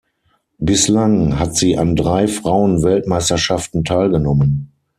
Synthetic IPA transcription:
bɪslaŋɦatz̥iːʔandʁaɪfʁ̥aʊənvɛltmaɪstɐʃaftn̩tʰaɪlɡənɔmən

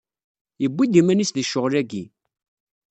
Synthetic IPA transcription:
jəbʷːid̪imænisðəʃːʊʁlæɡḭ

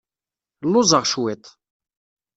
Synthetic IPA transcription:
lʊzˤɑʁʃwɛt̪

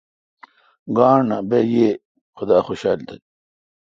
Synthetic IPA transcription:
ɡaːɳabeje | xod̪aːxoɕaːlt̪ɐ

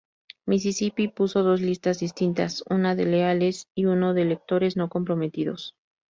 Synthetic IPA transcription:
mis̬isipipuso̞ðo̞zlist̪azðist̪int̪asunaðeleale̞siuno̞ðele̞k̚t̪o̞ɾe̞zno̞ko̞mpɾo̞me̞t̪iðo̞̰s

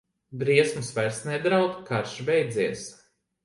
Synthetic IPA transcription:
b̪ɾiɛsmusvaɾsnɛd̪ɾawt̪kaɾʃbɛjd̪ziɛs

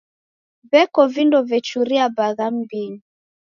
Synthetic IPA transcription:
βɛkɔvindɔvɛt͡ʃuɾiabaðam̩biɲi

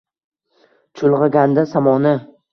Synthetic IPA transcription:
t͡ʃʰʊlˠʁɑɡʲand̪asamɒnɪ

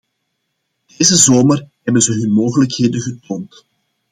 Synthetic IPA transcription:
d̥eːzəzoːmərɦɛbənzəɦɵnmoːɣələkheːdənɣətoːnt

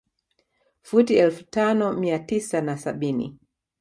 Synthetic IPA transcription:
futiɛlfu̥tanɔmiatisanasaɓinḭ

